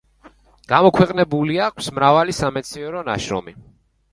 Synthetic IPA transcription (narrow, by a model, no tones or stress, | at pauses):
ɡ̥amɔkʰwɛqʼnɛbuliakʷʰsmɾavalisamɛt̪sʰiɛɾɔnaʃɾɔ̰mi